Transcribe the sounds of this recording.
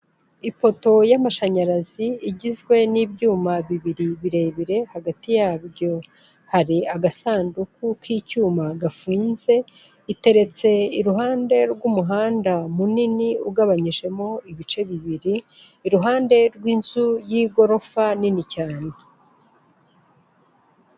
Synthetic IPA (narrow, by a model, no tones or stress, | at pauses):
ipo̞to̞jamaʃaɲaɾaziiɟizɡwe̞niːbjuːmaβiβiɾiβiɾe̞βiɾe̞haɡatijaːβjo̞ | haɾiaɡasaːndukukiːcuːmaɡafuːnze̞ | ite̞ɾe̞t͡se̞iɾuɦaːnde̞ɾɡwumuɦaːndamuniniuɡaβaɲiʒe̞mo̞iβit͡ʃe̞βiβiɾiː | ɾuɦaːnde̞ɾɡwiːnz̥ujiːɡo̞ɾo̞faninicaːne